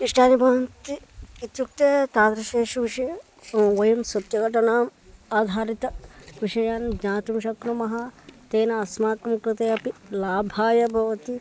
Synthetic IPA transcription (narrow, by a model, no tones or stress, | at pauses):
iʂʈaːnibʱɐʋɐnt̪iit̪juk̚t̪et̪aːd̪ɾɐʃeːʃuʋiʃɐj | ʋɐjunsɐt̪jɐɡɐʈɐnaːmaːd̪ʱaːɾit̪ɐʋiʃɐjaːnd͡ʒaːt̪umʃɐkɾɐmɐɦɐt̪eːnɐɐsmaːkɐmukɾɨt̪ejɐpilaːbʱaːjɐbʱɐʋɐt̪i